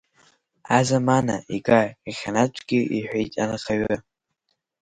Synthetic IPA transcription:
azamanaiɡaiχʲanat͡ʃʷʰʼɡʲɪiħʷᶣejtʼanɨχaɥa

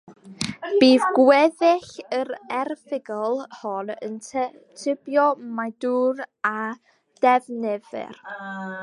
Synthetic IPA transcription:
b̥iːðɡwɛðɪɬəɾɛrvɪɡɔlˠhɔnə̰ntʰ | tʰɪbjɔmaduːɾa | d̥ɛvnɛðɪ̰r

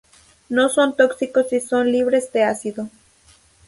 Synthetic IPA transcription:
noso̞nt̪oksikosisonliβɾe̞zd̪easiðo

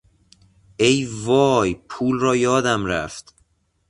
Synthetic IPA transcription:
ʔejvɒːjpʰuːlrɒːjɒːd̪æmɾæft̪

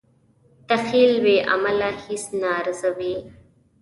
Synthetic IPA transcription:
t̪ɐxiːlweːʔɐ̰məlahisnaːɾzəwe

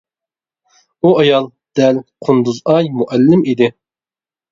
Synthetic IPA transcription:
uɑjɑlˠ | d̪̥ɛlqʰʊnd̪uzɑjmuʔælːɪmid̪ɪ

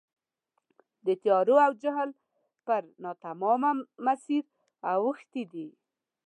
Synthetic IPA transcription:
d̪ət̪jɑɾoawd͡ʒaɦl | pəɾnɑt̪amɔmamasiɾ | awəxt̪id̪i

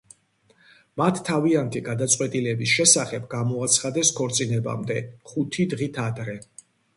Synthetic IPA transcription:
mat̪ʰːaviant̪ʰiɡad̪at̪sʼqʼwɛt̪ʼilɛbisʃɛsaχɛbɡamɔat̪sʰχad̪ɛskʰɔɾt̪sʼinɛba̰md̪ɛχut̪ʰid̪ʁit̪ʰad̪ɾɛ

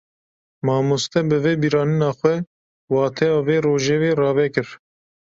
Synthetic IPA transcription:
mɑːmost̪ɛbɨveːbiɾɑːnɨnɑːxʷɛ | wɑːt̪ʰɛjɑːveːroːʒɛweːrɑːvɛkɨɾ

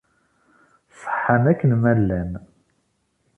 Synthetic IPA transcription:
sˤə̥ħːəmækːənmælːæn

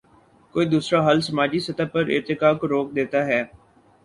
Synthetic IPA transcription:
koːiːd̪uːsɾaɦəlsɐmaːd͡ʒisɐt̪aːpəɾɪ̰ɾt̪ɪkaːkoɾoːk̚d̪eːt̪aːɦɛː

